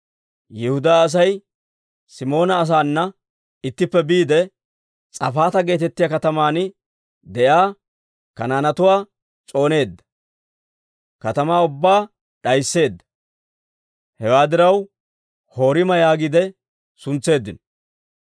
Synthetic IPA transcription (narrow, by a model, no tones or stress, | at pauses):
jɪhʊd̪aːs̬ɐj | sɪmo̞ːnɐːs̬aːnːɐ | ɪt̪ːɪpːɛbiːd̪ɛ | t͡sʼɐ̰faːt̪ɐɡe̞ːt̪ɛt̪ːɪjɐkɐt̪ɐmaːn | d̪ɛʔaː | kɐnaːnɐt̪ʊwaː | t͡sʼo̞ːne̞ːd̪ːɐ̥ | kɐt̪ɐmaːʊbːaː | ɗɐjsːe̞ːd̪ːɐ̥ | hɛwaːd̪ɪɾɐw | ho̞ːɾɪmɐjaːɡɪd̪ɛ | sʊnt͡sːe̞ːd̪ːɪn